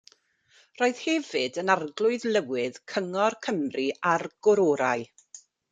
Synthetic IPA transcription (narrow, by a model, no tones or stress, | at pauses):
roːɨð̥hɛvɨdənarɡlˠʊɨðlˠəwɪð̥kʰəŋɔrkʰəmriarɡ̥ʊɾoːɾa̰ɨ